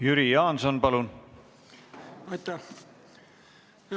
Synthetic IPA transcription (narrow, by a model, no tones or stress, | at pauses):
jyɾijɑːnsonpɑlun | ɑjt̪ːæ